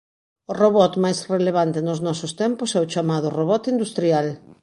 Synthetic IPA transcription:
ʊroβɔt̪majsreleβ̞ant̪ɪnʊznɔsʊst̪ɛmpʊsɛʊt͡ʃamaðʊroβɔt̪ind̪ust̪ɾial

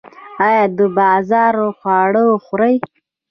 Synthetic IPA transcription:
ɑjɑːd̪əbɑzɑɾoxwɑɽəxɾaj

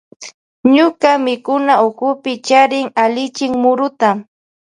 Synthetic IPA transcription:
ɲʊkamɪkʊnaʊkʊpɪt͡ʃaɾɪŋalɪt͡ʃɪŋmʊɾʊt̪a

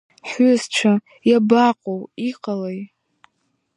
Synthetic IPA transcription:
ħʊzt͡ʃʷʰa | jabaqʼowiqʼalej

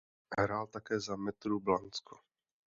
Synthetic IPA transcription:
ɦɾaːlt̪akɛːzamɛt̪ɾublant͡sko̥

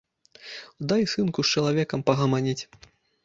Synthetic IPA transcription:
d̪ajsɨnkust͡ʃɐlˠavʲɛkɐmpɐɣɐmanʲit͡sʲ

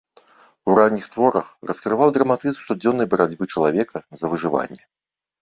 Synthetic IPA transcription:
uranʲːixt̪vɔɾɐxrɐskɾɨvawd̪ɾɐmat̪ɨzmst̪ɔd͡zʲɔnːɐjbɐɾad͡zʲbɨt͡ʂɐlˠavʲɛkʰɐzɐvɨʐɨva̰nʲːɛ

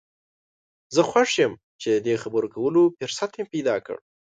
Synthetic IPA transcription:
zəxwaʂjəm | t͡ʃed̪əd̪exabəɾokawəlofɪɾsat̪jepajd̪ɑkə̰ɽ

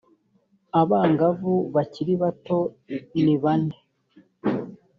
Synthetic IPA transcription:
aβaːŋɡavuβaciɾiβato̞ | niβane

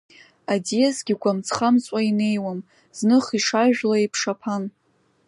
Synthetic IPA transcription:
adijazɡʲiɡʷamt͡sʰχamt͡sʼaine̞jwam | z̥nɨχiʂaʒᶣlaipʰʂapʰan

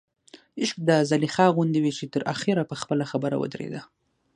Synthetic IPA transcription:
ɪʃk̚d̪əzalixɑɣʊnd̪iwit͡ʃet̪əɾʔaxɪɾapəxpəlaxabəɾa̰wə̰d̪ɾḛd̪a

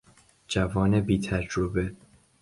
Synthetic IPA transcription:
d͡ʒævɒːnebiːt̪ʰæd͡ʒɾobe

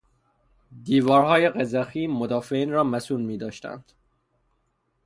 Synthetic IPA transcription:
d̪iːvɒːɾhɒːjeɣezæxiːmod̪ɒːfeiːnɾɒːmæsuːnmiːd̪ɒːʃt̪æ̰nd̪̥

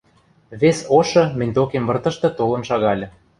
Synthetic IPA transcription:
βesoʃɤ̆mɘ̆nʲt̪okemvɤ̆rt̪ɤ̆ʃt̪ɤ̆t̪olɤ̆nʃɑɣɑlʲɤ̆

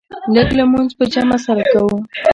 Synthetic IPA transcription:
ləɡlamunzpəd͡ʒamasaɾakawu

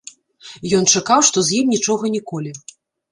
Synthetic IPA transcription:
jɔnt͡ʂakawʂt̪ɔzʲjimnʲit͡ʂɔɣɐnʲikɔlʲi

